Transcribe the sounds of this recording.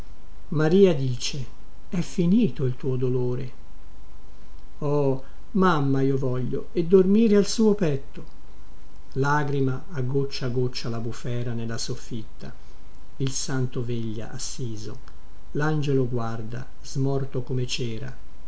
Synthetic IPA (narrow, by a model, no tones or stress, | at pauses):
maɾiːad̪iːt͡ʃe | ɛfːiniːt̪oilt̪uːod̪oloːɾe | ɔː | mamːaiːovɔʎːo̰ | ed̪ːormiːɾealsuːopɛt̪ːo | laːɡɾimaːɡːot͡ʃːaɡot͡ʃːalabufɛːɾanelːasofːit̪ːa̰ | ilsant̪oveʎːa̰ʔasːiːzo̰ | land͡ʒeloɡward̪a̰ | zmɔrt̪okomet͡ʃɛːɾa̰